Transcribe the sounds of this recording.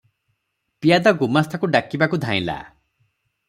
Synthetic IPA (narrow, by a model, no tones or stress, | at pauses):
pijad̪aɡumast̪ʰakuɖakibakud̪ʱaḭ̃la̰